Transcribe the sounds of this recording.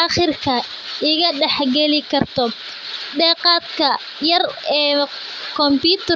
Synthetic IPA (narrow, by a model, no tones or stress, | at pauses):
ɐχɪrkʰɐ | ʔɪɣɐɖɛħɡɛlɪkʰɐrt̪ʰɔ | ɖɛːqɑːd̪kʰɐ | jɐrɛː | kʰɔmpiːt̪ʰɐ